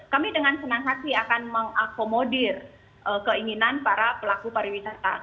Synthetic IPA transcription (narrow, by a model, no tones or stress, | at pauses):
kamidəŋansənaŋɦasiakanməŋakomodir | ʔəkəiŋinanpaɾapəlakupaɾiwisat̪a̰